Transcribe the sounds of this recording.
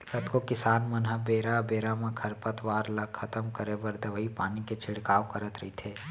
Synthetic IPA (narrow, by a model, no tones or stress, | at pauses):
kət̪kokɪsaːnmɐnɦəbeːɾabeːɾamẽkʰɐɾpət̪ʋaːɾlɐɐt̪əmkəɾebəɾd̪əʋəipaːniket͡ʃʰɪɽkaːʋkɐɾət̪ɾɐɦit̪ʰeː